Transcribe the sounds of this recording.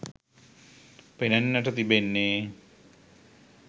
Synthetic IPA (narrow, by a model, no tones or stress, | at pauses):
penɐnːəʈət̪ibenːeː